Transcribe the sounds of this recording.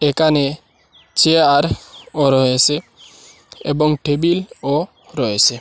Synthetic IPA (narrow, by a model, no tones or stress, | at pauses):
ekane | t͡ʃʰeaɾɔɾɔɦese | ḛbɔŋʈebilɔ | ɾɔesʰe